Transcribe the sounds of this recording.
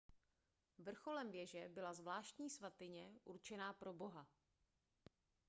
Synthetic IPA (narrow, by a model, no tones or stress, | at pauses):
vr̩xo̞lɛmvjɛʒɛbɪlazvlaːʃt̪ɲiːsvat̪ɪɲɛʔuɾt͡ʃɛnaːpɾo̞bo̞ɦa